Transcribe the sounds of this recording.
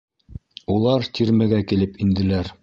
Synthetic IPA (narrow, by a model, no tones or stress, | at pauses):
ulˠɑɾt̪ʲiɾmɘɡækilɘpind̪ɘ̆læɾ